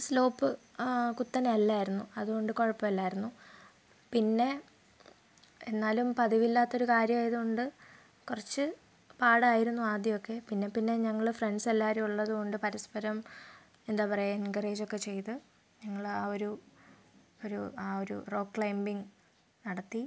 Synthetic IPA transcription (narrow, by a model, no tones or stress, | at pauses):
slo̞ːpːɨ | kut̪ːɐnɐlːaːjiɾunːuɐðuɣo̞ɳɖɨko̞ɻɐpːɐmɐlːaːjiɾunːu | pinːe̞ | enːaːlumpɐðiʋilːaːt̪ːo̞ɾukaːɾjɐmaːjɐðuɣo̞ɳɖɨ | kurɐt͡ɕːɨ | paːɽaːjiɾunːuaːd̪jɐmo̞kːe̞pinːe̞pinːe̞ɲɐŋːɐɭfreɳɖselːaːɾuuɭːɐðuɣo̞ɳɖɨpɐɾɐspɐɾɐm | end̪aːpɐrɐjaenɡɐreːd͡ʑo̞kːe̞t͡ɕe̞jt̪ɨ | ɲɐŋːɐɭaːo̞ɾu | oɾuaːo̞ɾṵro̞ːkːɭɐjmbiŋ | nɐɽɐt̪ːi